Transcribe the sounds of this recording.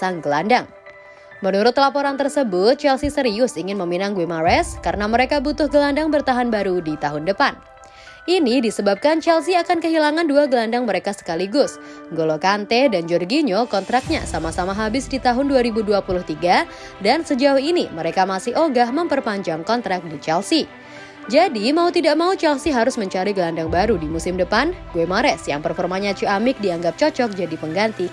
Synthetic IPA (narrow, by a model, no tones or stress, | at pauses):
saŋɡəlandaŋ | mənuɾʊt̪lapoɾant̪ərsəbʊt̪̚t͡ʃɛlsisəɾiʊsiŋɪnməminaŋɡwimaɾɛskaɾənaməɾekabut̪ʊhɡəlandaŋbərt̪aɦanbaɾudit̪aɦʊndəpan | ʔinidisəbap̚kant͡ʃɛls̬iakankəɦilaŋanduaɡəlandaŋməɾekasə̥kaliɡʊs | ɡolokant̪ɛdand͡ʒɔrɡiɲokɔnt̪ɾak̚ɲa̰samasamaɦabɪsdit̪aɦʊnduaɾibuduapulʊht̪iɡa | dansəd͡ʒaʊhiniməɾekamasɪhoɡahməmpərpaɲd͡ʒaŋkɔnt̪ɾak̚dit͡ʃɛlsi | d͡ʒadimaut̪idaʔ̚maut͡ʃɛlsiɦaɾʊsməɲt͡ʃaɾiɡəlandaŋbaɾudimusɪmdəpanɡuɛmaɾɛsjaŋpərfɔrmaɲat͡ʃuamɪk̚diaŋɡap̚t͡ʃɔt͡ʃɔk̚d͡ʒadipəŋɡant̪i